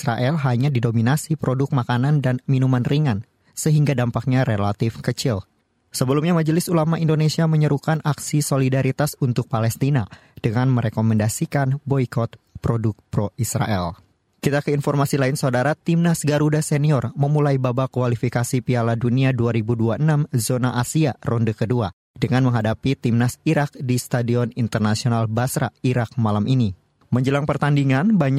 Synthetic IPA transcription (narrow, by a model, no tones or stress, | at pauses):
sɾaʔɛlɦaɲadidominasipɾodʊk̚makanandanminumanriŋan | səɦiŋɡadampak̚ɲaɾelat̪ɪfkət͡ʃɪl | səbəlumɲamad͡ʒəlɪsulamaʔindonesiaməɲəɾukanʔaksisolidaɾit̪asunt̪ʊk̚palɛst̪inad̥əŋanməɾekomɛndasikanbɔikɔt̪̚ | pɾodʊk̚pɾoisɾa̰ʔɛ̰l | kit̪akəinfɔrmasilaɪnsaudaɾat̪imnasɡaɾudasɛniɔrməmulajbabakualifikasipialaduniaduaɾibuduaʔənamzonaʔasiarɔndəkədua | dəŋanməŋɦadapit̪imnasiɾak̚dist̪adiɔnint̪ərnasionalbasɾaiɾak̚malamʔini | məɲd͡ʒəlaŋpərt̪andiŋanbaɲ